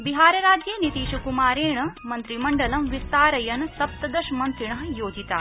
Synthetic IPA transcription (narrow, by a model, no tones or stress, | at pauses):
biɦaːɾjɐɾaːd͡ʑjenit̪iːɕɐkumaːɾeːɳmɐnt̪ɾimɐɳɖɐlɐmʋist̪aːɾɐjɐnsɐp̚t̪ɐd̪ɐʃmɐnt̪ɾiɳ̃ɐɦjoːd͡ʑit̪a̰ː